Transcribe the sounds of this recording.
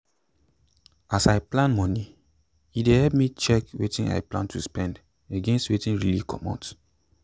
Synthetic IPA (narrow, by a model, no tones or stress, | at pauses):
asaɪplãnmɔni | idehɛlp̚mit͡ʃɛkwetĩna̰ɪplã̰ntʰuspɛ̃nd | eɡẽnstwetĩnɹilikʰɔ̰mɔ̰̃nt